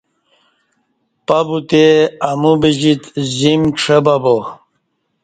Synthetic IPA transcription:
pabut̪eamubiʑit̪zimʈ͡ʂʰebabo

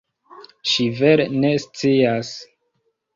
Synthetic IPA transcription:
ʃive̞ɾene̞st͡sias

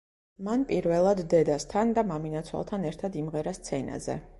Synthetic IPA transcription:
manpʼiɾvɛlˠad̪ːɛd̪ast̪ʰand̪amaminat̪sʰwa̰lˠt̪ʰanɛɾt̪ʰad̪imʁɛɾast̪sʰɛna̰zɛ̰

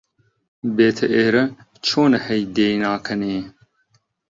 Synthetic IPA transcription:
beːt̪ʰɐʔeːɾɐ | t͡ʃʰoːnɐhɛjd̪eːnaːkʰɐneː

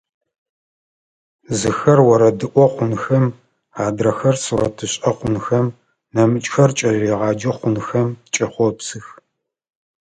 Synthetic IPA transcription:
zɨxɐrwɔɾɐdɨʔʷɔχʷʊnxɐm | aːdrɐxɐrsurɐtʰɨɕʼɐqʷʊnxɐm | nɐmɨt͡ʃʼxɐrt͡ʃʼɐʒiːʁɑːd͡ʒɐχʷʊnxɐmt͡ʃʼɐχʷɔpsɨx

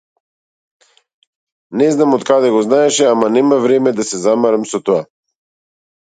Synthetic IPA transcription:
nɛznamot̪kad̪ɛɡɔznaɛʃɛamanɛmavɾɛmɛd̪asɛzamaɾamsɔt̪oa

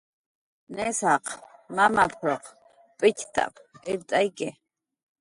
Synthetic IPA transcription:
nɛsaqʰmamapʰɾɔq | pʼɪtʲʰt̪ʼa̰pʰiɾt̪ʼajkʼɛ

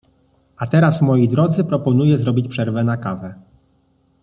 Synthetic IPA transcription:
at̪ɛɾasmɔjid̪ɾɔd̪zɘpɾɔpɔnujɛzɾɔbʲit͡ɕpʂɛɾvɛnakavɛ

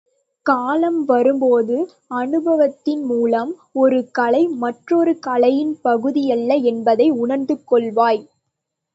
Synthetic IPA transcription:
kaːlɐmʋɐɾɯmpoːðɯ | ɐnɯbɐʋɐt̪ːɪnmuːlɐmɔɾɯkɐlɐɪmɐʈrɔɾɯkɐlɐjɪnpɐɣɯðɪjɐlːɐɛnbɐðɐɪʊɳɐɾnd̪ɯkːɔɭʋaːj

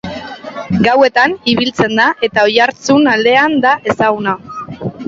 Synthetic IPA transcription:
ɡawe̞t̪aniβilt͡se̞nd̪aʔe̞t̪ao̞jaɾt͡sunald̪e̞and̪aʔe̞saɣuna

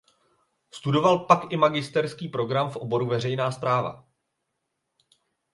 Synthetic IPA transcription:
st̪udo̞valpakʔɪmaɡɪst̪ɛɾskiːpɾo̞ɡɾamfʔo̞bo̞ɾuvɛr̝ɛjnaːspɾaːva̰

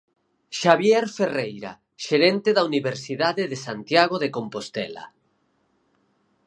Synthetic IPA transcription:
ʃaβjeɾferejɾa̰ | ʃeɾent̪eðauniβ̞eɾsiðaðeðesant̪jaɣoðekompost̪ɛ̰la̰

